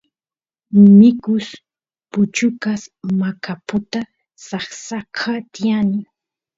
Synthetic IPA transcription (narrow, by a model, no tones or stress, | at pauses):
mɪkʊs | pʊt͡ʃʊkasmakapʊt̪a | sɑχsakʰat̪ɪanɪ